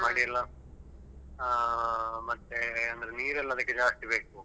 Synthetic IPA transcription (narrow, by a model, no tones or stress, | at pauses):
maːɽijɐlːɐ | mɐt̪ːeɐnd̪ɾeniːɾɛlːɐɐd̪ɐkːed͡ʒaːsʈ̪ibe̞ːku